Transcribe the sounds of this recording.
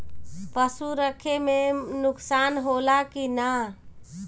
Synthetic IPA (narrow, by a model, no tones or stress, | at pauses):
pəsuɾəkʰemenʊksanɦolakina